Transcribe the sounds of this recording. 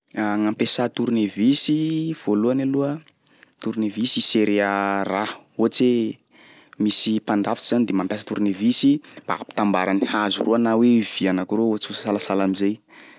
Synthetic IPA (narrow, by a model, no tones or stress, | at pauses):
ŋampesat̪uɾunevisiv̥oluanaluə | t̪uɾinevisiseɾearaot͡se | misipand̪afi̥t͡ʃiz̥anid̪emampasat̪uɾnevisimb̥a̰api̥t̪ambaɾanihazṵrʔuanawev̥ianakuɾoot͡sussalasalamizej